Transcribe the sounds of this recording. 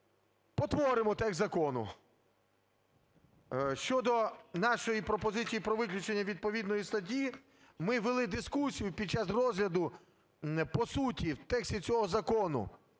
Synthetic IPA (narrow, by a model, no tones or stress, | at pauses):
pɔt̪ʋɔɾɪmɔt̪ɛkzɐkɔnʊ̰ | ʃt͡ʃɔd̪ɔnɑʃɔjipɾɔpɔzɪt͡sʲijipɾɔʋɪklʲʊt͡ʃenʲːɐʋʲid̪̚pɔʋʲid̪nɔjist̪ɐt̬ʲi | mɪʋelˠɪd̪ɪskusʲijʊpʲid̪̚t͡ʃɑsrɔzɦlʲɐd̪ʊ | pɔsutʲiwt̪ɛksʲtʲit͡sʲɔɦɔzɐkɔnʊ̰